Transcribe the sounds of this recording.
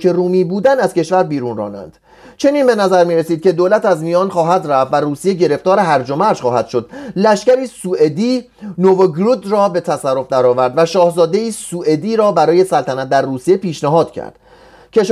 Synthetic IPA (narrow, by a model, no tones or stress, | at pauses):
e̞ruːmiːbuːd̪ænæz̥ke̞ʃvæɾbiːɾunrɒ̰ːnæ̰nd̪̥ | t͡ʃʰe̞niːnbe̞næzæɾmiːɾesiːd̪̥̚kcʰe̞d̪oːlæt̪æzmijɒːnχɒːɦæd̪ræft̪væruːsijeɟe̞ɾe̞ft̪ɒːɾe̞ɦæɾd͡ʒo̞mæɾʃχɒːhæd̪̥ʃo̞d̪̥læʃcæɾiːsuːe̞d̪iː | novoɡɾud̪rɒːbe̞t̪ʰæsærːo̞fd̪æɾɒːvæɾd̪væʃɒːhzɒːd̪e̞iːsuːʔe̞d̪iːɾɒːbæɾɒːje̞sælt̪ʰænæt̪̚d̪æɾːuːsije̞piːʃnæɦɒːd̪̥cʰæ̰ɾd̪̥ | cʰe̞ʃ